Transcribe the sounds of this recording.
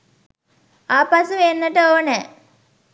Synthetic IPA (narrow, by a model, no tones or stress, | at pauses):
aːpasuʋeːnːəʈəoːnə